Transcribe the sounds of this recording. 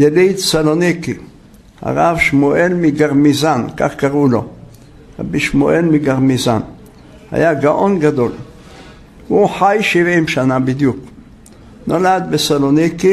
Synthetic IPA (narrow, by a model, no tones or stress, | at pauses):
jalid̪saloniki | ha̰ʁavʃmoʔelmiɡaʁmizanka̰χkaʁulo̞ | ʁa̰biʃmoʔelmiɡaʁmizan | ha̰jaɡaʔo̞nɡad̪o̞l | uħajʃivimʃanabid̪juk | nolad̪̚besaloniki